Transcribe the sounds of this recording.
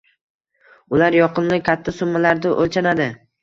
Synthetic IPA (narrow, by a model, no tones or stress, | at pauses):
ʊlaɾjɒqɨnlɪkʲʰat̪ʰːasʊmːalaɾd̪ɪʔolt͡ʃʰanad̪ɪ